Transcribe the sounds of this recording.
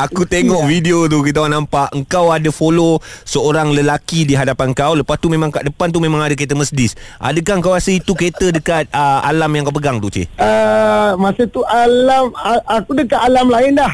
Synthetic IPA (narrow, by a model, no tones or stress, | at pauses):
akut̪eŋɔʔfidiot̪̬ukit̪aaʔnampaʔəŋkawadəfolosəoɾaŋləlakidiɦadapanəŋkawləpast̪umẽmãŋkaʔdəpant̪̬umẽmãŋadək̬et̪̬əməsdɪsʔa̰dəkaŋkawɾasəit̪uket̪ədəkat̪̚əa̰lamjãŋkawpəɡaŋt̪ut͡ʃḭʔəmasət̪uʔallamaakudəkaʔ̪alamlaɪndah